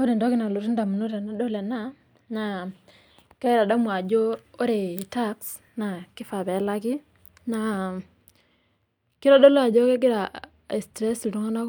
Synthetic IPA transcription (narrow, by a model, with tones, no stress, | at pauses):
o˦de˨ndo˦kɪ˦na˨lo˨ɾi˦nda˨mu˨no˦ɾe˨na˦do˦le˨na˦ | na˨ | ke˦ɪ˦ɾa˨ɗa˦mu˨a˨d͡ʒo˦o˦ɾe˨ta˦ks | na˨kɪ˦fa˨bɛ˨˦la˦ki˦ | na˨ | ki˦ɾa˦do˦lo˦a˨d͡ʒo˦ke˦ɡi˦ɾa˨ | e˨stɾɛ˦si˨tu˦ŋa˦na˦k